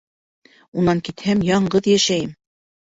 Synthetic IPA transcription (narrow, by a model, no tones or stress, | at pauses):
unɑŋkit̪hæmjɑɴɢɤðjæʃæjɘm